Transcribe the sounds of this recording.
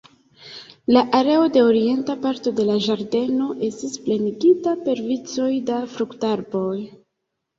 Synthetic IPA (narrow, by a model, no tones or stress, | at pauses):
laʔaɾe̞o̞de̞o̞ɾie̞ntapaɾto̞de̞laʒaɾde̞no̞ʔe̞stispleniɡitape̞ɾvit͡so̞jdafɾuktaɾbo̞j